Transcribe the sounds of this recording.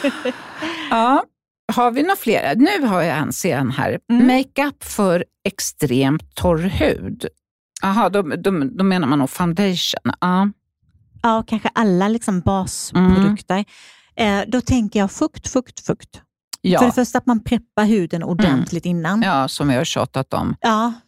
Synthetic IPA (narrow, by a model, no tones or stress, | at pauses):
ɑː | haɾvɪnʊfleːɾa̰nʉ̟ːɦaɾjaɛ̰nseːd̪anhæ̰ːɾmɛɪkapːfœɾ | ɛkst̪ɾeːmt̪ʰːɔɾhʉ̟̰ːd̪ | aɦɑːd̪ɔd̪ɔd̪ɔmeːnaɾmanːuːfaʊnd̪ɛjʂə̰nɑː | ɑːkʰanɧəʔalːalɪksɔmbɑːsppɾʊdɵkt̪əɾ | ʔɛd̪ɔt̪ʰɛŋkəjɑːɡfɵkt̪fɵkt̪fɵkt̪ | jːfœɖɛfœʂʈat̪manpʰɾɛpːaɾɦʉ̟ːd̪ənʊ̰dɛnt̪ʰlɪɡ̚t̪ɪnːanjɑːsɔmvɪhaɕɑ̰ːt̪at̪ɔ̰mʔɑː